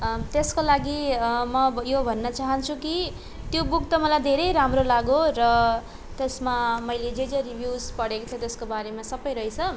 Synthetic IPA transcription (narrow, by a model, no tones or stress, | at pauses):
t̪eskolaɡimʌjobʱʌnːʌt͡saɦʌnt͡sʰuki | t̪jobuk̚t̪ʌmʌlajd̪ʱeɾʌjɾamrolaɡorʌ | t̪esmamʌjled͡zed͡zʌribʱjud͡zpʌɽekot͡s̪ʰʌt̪eskobaɾemasʌbʌjɾʌjt͡sʰʌ